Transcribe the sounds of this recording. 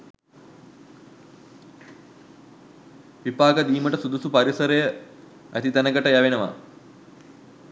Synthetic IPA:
ʋipaːɡəd̪iːməʈəsud̪usupɐɾisəɾəjə | æ̰t̪it̪ænəɡəʈəjaʋenəʋa̰

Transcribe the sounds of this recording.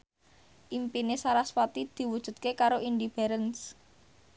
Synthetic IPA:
ʔimpinesaɾaswat̪id̪̥i̤wud̥ʒ̥ṳdt̪̚kekaɾoʔindib̥ɛɾəns

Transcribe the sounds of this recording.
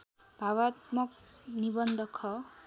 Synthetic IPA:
bʱawat̪mʌknibʌnd̪ʱʌkʰʌ

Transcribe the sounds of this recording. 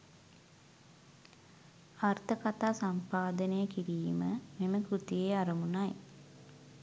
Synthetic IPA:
art̪əkat̪aːsampaːd̪ənəjəkiɾiːməmeməkɾut̪ijeːaɾɐmunaj

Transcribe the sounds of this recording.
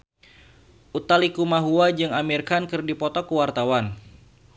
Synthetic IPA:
ʔut̪alikumaɦuad͡ʒɨŋamirkankɨrdipɔt̪ɔkuwart̪awan

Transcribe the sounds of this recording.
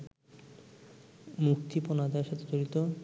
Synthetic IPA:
mukt̪iponad̪aɾʃat̪ʰed͡ʑoɾit̪o

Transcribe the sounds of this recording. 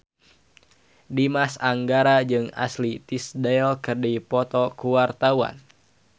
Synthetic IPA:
dimasaŋɡaɾad͡ʒɨŋa̰slit̪isdaɛlkərdipɔt̪ɔkuwart̪awa̰n

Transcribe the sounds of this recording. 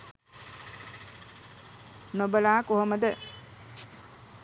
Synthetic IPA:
nobəlaːkuɦoməd̪ə

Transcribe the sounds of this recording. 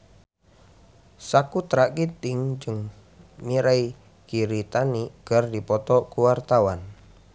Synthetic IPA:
sakut̪ɾakit̪ɪŋd͡ʒɨŋ | miɾai | kiɾit̪aniɡ̥ardipɔt̪ɔkuwart̪awan

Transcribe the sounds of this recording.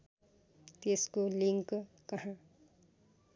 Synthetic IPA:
t̪eskoliŋk | kɐɦã

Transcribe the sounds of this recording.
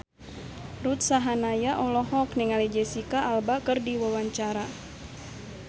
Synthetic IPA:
rut̪̚saɦanajaʔɔlɔɦɔkniŋalid͡ʒɛsikaːlbakərdiwawaɲt͡ʃaɾa

